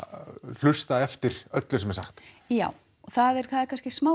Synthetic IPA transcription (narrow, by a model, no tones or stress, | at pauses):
l̥ʏst̪aðɛft̪ɪɾ̥œt̪lʏsɛmɛsa̰xt̪ | jaːw | ɔθaðɛɾ̥kʰaːðakʰanscɪsmaː